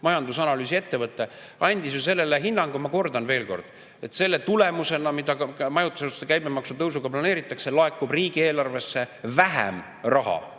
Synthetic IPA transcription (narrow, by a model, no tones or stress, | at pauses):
mɑjɑnd̪usɑnɑlyːsʲie̞t̪ːe̞vɤt̪ˑːe̞ | ɑnʲd̪isjuse̞lːe̞leɦinːɑŋɡ̥umɑko̞rd̪ɑnve̞ːlko̞rd̪̥ | et̪se̞lːe̞t̪ule̞muse̞nɑmid̪̥ɑmɑjut̪ːˑu̥seust̪ekæjbemɑksut̪ɤwsuɡ̥ɑplɑne̞ːɾit̪ːˑɑkse̞lɑe̞kːˑubriːɡ̥ie̞ːlɑrve̞sːe̞væɦḛm | rɑɦɑ̰